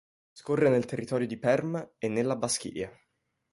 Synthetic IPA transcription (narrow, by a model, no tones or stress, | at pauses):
skorːenelt̪erːit̪ɔːɾjod̪ipɛrmenːelːabask̟ḭːja